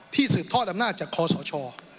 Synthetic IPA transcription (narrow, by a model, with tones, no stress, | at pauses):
t̪ʰiː˥˩sɯː˨˩p̚t̪ʰɔ˥˩t̪̚a˧mnaː˥˩t̪̚t͡ɕaː˨˩kʰːɔː˧sɔː˩˦t͡ɕʰɔː˧